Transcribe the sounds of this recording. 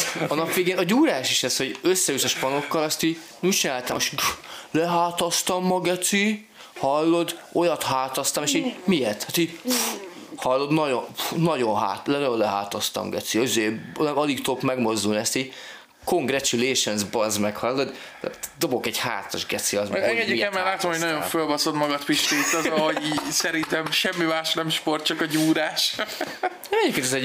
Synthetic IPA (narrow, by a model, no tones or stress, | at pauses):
ɒnɒpʋeːɡeːnɒɟuːɾaːʃiʃɛsho̞ɟøsːɛyt̪ɔʃpɒno̞kːɒlɒst̪iːɟ | nut͡ʃinaːlt̪amʃlɛɦaːt̪ɒst̪ɒmːɒɡɛt̪si | hɒlːo̞d̪o̞jɒt̪haːt̪ɒst̪ɒmeːʃimijert̪hat̪iɟ | hɒlːo̞d̪nɒɟonnɒɟo̞nɦa̰ːt̪lɛɒollɛɦa̰ːt̪ɒst̪ɒ̰mɡɛ̰t̪siizeːɒlikt̪okmɛɡmo̞zd̪ulniɛst̪iː | ko̞ŋɡɾrɛt͡ʃuleːʃonzbɒzmɛkhɒlːod̪̰ | d̪o̞bo̞kɛɟha̰ːt̪ːɒ̰ʒɡɛt̪siɒzmɛɛɡɛɟiiɛmːɛɾlaːt̪omhoɟnɒjo̞ɱfølbɒsod̪mɒɡɒt̪piʃt̪eːt̪ɔzɒɦoisɛɾint̪ɛmʃɛmːimaːʃnɛmʃpo̞rt̪̚t͡ʃɒkɒɟuːɾaːʃ | mɛɟʲjeːp̚kenɛzɛ